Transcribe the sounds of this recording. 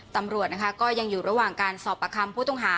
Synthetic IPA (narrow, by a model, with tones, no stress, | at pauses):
t̪a˧mɾu˨˩ət̪na˦˥kʰa˦˥kɔː˥˩ja˧ŋjuː˨˩ɾa˧waː˨˩ŋkaː˧nsɔː˨˩pːa˧kʰa˧mpʰuː˥˩t̪ɔ˥˩ŋɦaː˩˦